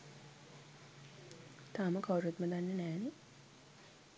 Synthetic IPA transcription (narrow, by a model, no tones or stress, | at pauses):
t̪aːməkawɾet̪məd̪anːənæːni